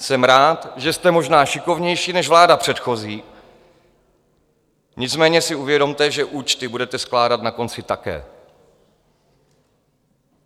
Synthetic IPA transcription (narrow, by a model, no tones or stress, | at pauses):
sɛmɾaːt̪ʒɛst̪ɛmo̞ʒnaːʃɪko̞vɲɛjʃiːnɛʒvlaːdapr̝̥ɛt̪xo̞ziː | ɲɪt͡smɛːɲɛsɪuvjɛdo̞mt̪ɛʒɛʔuːt͡ʃt̪ɪbudɛt̪ɛsklaːdat̪nako̞nt͡sɪt̪akɛ̰ː